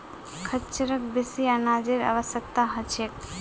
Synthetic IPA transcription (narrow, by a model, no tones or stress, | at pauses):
kʰət͡ʃəɾək̚besianad͡ʒeɾa̰ʋəsjək̚t̪aɦət͡ʃʰek